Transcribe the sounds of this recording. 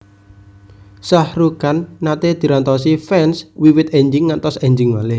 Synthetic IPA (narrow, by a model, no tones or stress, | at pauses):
sahɾukanːat̪ed̪̥i̤ɾant̪ɔs̬ifɛnswiwɪt̪eɲd͡ʒɪŋːant̪ɔseɲd͡ʒɪŋmalɪ